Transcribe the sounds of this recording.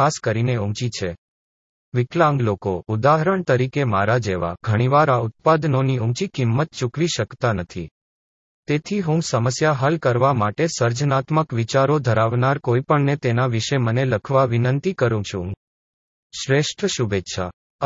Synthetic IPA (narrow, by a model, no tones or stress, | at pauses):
askəɾineũmt͡ʃit͡ʃʰe | ʋɪklãŋɡlokoud̪aɦəɾəɳt̪əɾikemaɾad͡ʒeʋa̰ɡʱəɽ̃iʋaɾaʊt̪̚pad̪noniũmt͡ʃikimːət̪̚t͡ʃukʋiʃəkt̪anət̪ʰi | t̪et̪ʰiɦũsəməsjaɦalkəɾʋamaʈesəɾd͡ʒnat̪məkʋit͡ʃaɾod̪ʱəɾaʋnaɾkoipəɳnet̪enaʋiʃeməneləkʰʋaʋinənt̪ikəɾũt͡ʃʰũ | ʃɾeʃʈʰəʃubetːʃʰa̰